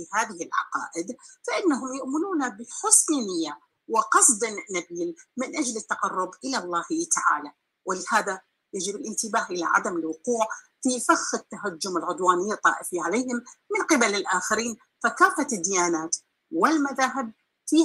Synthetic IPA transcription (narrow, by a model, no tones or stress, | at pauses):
ihaːðɪhɪlʕɑ̰qɑ̰ːʔɪd̪faʔɪnːaɦʊmjʊʔmɪnuːnabɪħʊsˤliːnɪjːa | wɪqɑsˤd̪ˤɪnnːabiːlmɪnʔad͡ʒlɪt̪ːɑqɑrˤːʊbʔɪlalˤːɑːht̪aʕa̰ːla | wɪlɪhaːða | jad͡ʒɪbɪlʔɪnt̪ɪbaːhʔɪla̰ʕa̰d̪amɪlwʊquːʕfifaxhɪt̪ːaɦad͡ʒːʊmɪlʕʊd̪waːnɪjːat̪ˤːɑ̰ːʔɪfiʕaleːhɪmmɪnqɪbalɪlʔaːxaɾiːn | fakaːfad̪ːɪjaːnaːt̪ | wɪlmaðaːɦɪb̚ | fiː